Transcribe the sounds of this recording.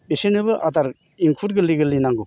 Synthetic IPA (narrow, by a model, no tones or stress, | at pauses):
besenɯbɯʔataɾ | iŋkʰuɾɡɯliɡɯlːinaŋɡu